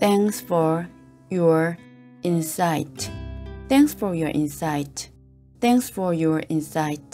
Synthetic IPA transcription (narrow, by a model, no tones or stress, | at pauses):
θɛ̃ŋsfɔɹ | jɔɹ | ʔɪ̃nsaɪtθɛ̃ŋsfɔɹjɔɹʔɪ̰̃nsaɪt | θɛ̃ŋsfɔɹjɔɹɪ̃nsaɪt